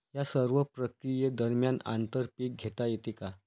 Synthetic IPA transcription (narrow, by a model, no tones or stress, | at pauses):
jasəɾʋəpɾəkɾijəd̪əɾmjana̰nt̪əɾpiːk̚ɡʱet̪ajet̪ika